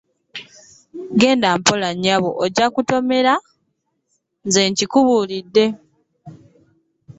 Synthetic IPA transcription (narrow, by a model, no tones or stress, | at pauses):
ɡe̞ːndaːmpolaɲːaβoʔoɟakuto̞me̞ɾa | nze̞ːɲcikuβuːlidːe̞